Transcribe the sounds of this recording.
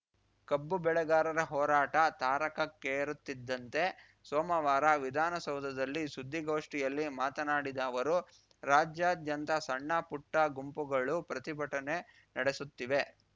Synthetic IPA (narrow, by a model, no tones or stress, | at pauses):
kɐbːubɛɭɛɡaːɾɐɾɐɦɔːɾaːʈɐt̪aːɾɐkɐkːeɾut̪ːid̪ːɐnt̪e̞ | sɔːmɐʋaːɾɐʋid̪ʱaːnɐsɐwd̪ʱɐd̪ɐlːisud̪ʱːiɡoːʂʈijɐlːimaːt̪ɐnaːɽid̪ɐːʋɐɾu | ɾaːd͡ʒjaːd̪jɐnt̪ɐsɐɳːapuʈːɐɡumpuɡɐɭupɾɐt̪ibʱɐʈɐne̞ | nɐɽesut̪ːiʋe̞